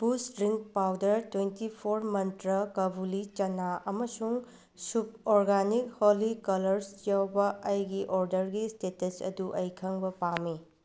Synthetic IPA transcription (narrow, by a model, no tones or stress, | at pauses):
pusɾiŋk̚pawdɐɾtwentipʰoɾmɐntɾɐkɐbulit͡ʃɐnaɐmɐsuŋ | sub̚oɾɡanikholikɐlɐɾsjawbɐʔɐjɡiʔoɾdɐɾɡistetesɐ̰duʔɐjkʰɐŋbɐpami